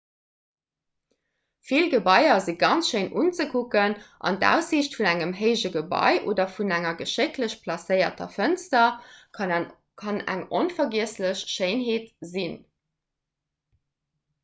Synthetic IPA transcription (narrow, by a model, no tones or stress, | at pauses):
filɡəbɑɪɐziɡɑnt͡sʃəɪnʔunt͡səkʰukənʔɑ̰ndæ̰ːʊsiɕtfunæŋəmɦəɪʒəɡəbɑ̰ɪʔo̰ːdɐfunæŋɐɡəʃekləɕpʰlɑsəɪɐ̰tɐ̰fənstɐ | kʰɑnæ̰ŋonfɐɡiəsləɕʃəɪnɦeːtzin